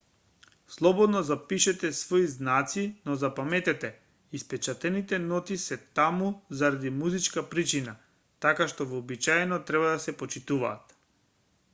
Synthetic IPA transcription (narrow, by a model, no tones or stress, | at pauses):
slˠɔbɔd̪nɔzapiʃɛt̪ɛsvɔiznat̪sinɔzapamɛt̪ɛt̪ɛ | ispɛt͡ʃat̪ɛnit̪ɛnɔt̪isɛt̪amuzaɾad̪imuzit͡ʃkapɾit͡ʃina | t̪akaʃt̪ɔvɔːbit͡ʃaɛnɔt̪ɾɛbad̪asɛpɔt͡ʃit̪uva̰ːt̪